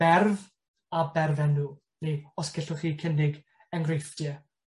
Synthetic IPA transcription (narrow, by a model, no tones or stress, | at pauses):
b̥ɛrv | abɛrvɛnːuː | niɔskɪɬʊχiːkʰəndɪɡ | ɛŋɡrejfd̥jɛ